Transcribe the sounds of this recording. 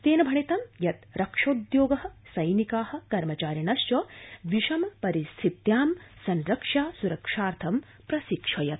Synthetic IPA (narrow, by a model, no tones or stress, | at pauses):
t̪eːnɐbʱɐɳit̪ɐmjɐt̪ɾɐkʂoːd̪joːɡɐɦɐ̆sɐjnikaːhɐ̆kɐɾmɐt͡ʃaːɾjɐnɐʃt͡ʃoʋiʃɐmpɐɾist̪ʰit̪jaːmsɐnɾɐkʂaːsuɾɐkʂaːɾt̪ʰɐm | pɾɐsikʂɐjɐt̪̚